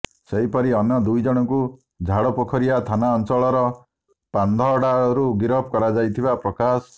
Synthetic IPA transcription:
seɦipɔɾiɔnjɔd̪ujd͡ʒɔɽ̃ɔku | d͡ʒʱaɽɔpɔkʰɔɾiat̪ʰanaɔnt͡ʃɔɭɔɾɔ | pand̪ʱɔɽaɾuɡiɾɔp̚ʰkɔɾad͡ʒajt̪ʰibapɾɔkas

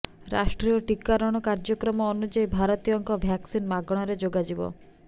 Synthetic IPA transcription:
ɾa̰ʃʈɾijɔʈikːaɾɔɽ̃ɔkaɾd͡ʒɔkɾɔmɔonud͡ʒaibʱaɾɔt̪ijɔŋkɔbʱjaksinmaɡɔɽ̃ɔɾed͡ʒoɡad͡ʒibɔ̰

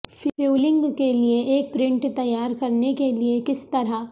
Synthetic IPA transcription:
fjuːlɪ̃ŋɡkelieʔeːk̚pɾɪ̃ɳʈt̪ɐjaːɾkɐɾnekeliekɪst̪ɐɾa

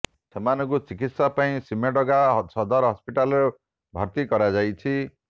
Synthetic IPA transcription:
sʰemanɔkut͡sikit̪sapaĩsimeɖɔɡaɦsɔd̪aɾɦɔspiʈalɾo | bʱʌɾt̪ikʌɾad͡zajt͡sʰi

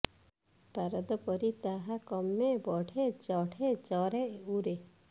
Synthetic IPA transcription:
paɾɔd̪ɔpɔɾit̪aɦakɔmːebɔɽʰed͡ʒɔɽʰed͡ʒɔɾeʔuɾe

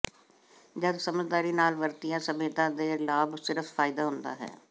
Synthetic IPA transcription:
d͡ʒəd̪səməzd̪aːɾiːnaːlʋəɾt̪ijãːsəmeːt̪ãːd̪eːlaːbsɪɾəffʰaːɪd̪aːɦʊnd̪a̰ːɦɛ̰ː

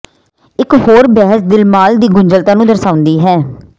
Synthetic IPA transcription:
ɪkhoːɾbɛːɦəsd̪ɪlmaːld̪iːɡʊɲd͡ʒəlt̪aːnũːd̪əɾsaːʊ̃nd̪iːɦɛː

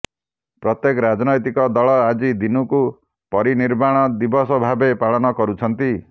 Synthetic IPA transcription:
pɾɔt̪jekɔɾad͡ʒnɔjt̪ikɔd̪ɔɭɔad͡ʒid̪inuku | pɔɾiniɾmaɽ̃ɔd̪ibɔsɔbʱabepaɭɔnɔkɔɾut͡ʃʰɔnt̪i

